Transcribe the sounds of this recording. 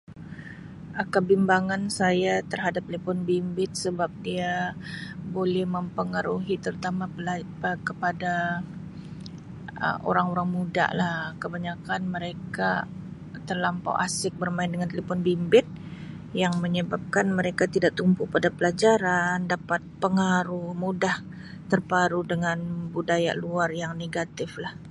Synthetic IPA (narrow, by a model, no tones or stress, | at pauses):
akabimbaŋansajat̪ərɦadap̚t̪əlefɔnbimbɪt̪̚səbap̚dia | bolɛhməmpəŋaɾuɦit̪əɾut̪ama | kəpada | ə̰mo̰ɾaŋoɾaŋmuda̰ʔlahkəbaɲakanməɾeka | t̪ərlampa̰wʔasɪk̚bərmaɪndəŋant̪əlipʊnbimbɪt̪̚ | jaŋməɲəbap̚kanməɾekat̪idaʔt̪umpupadapəlad͡ʒaɾandapat̪̚pəŋaɾʊhmudah | t̪ərpaɾudəŋanbudaja̰luarjaŋneɡat̪ɪflah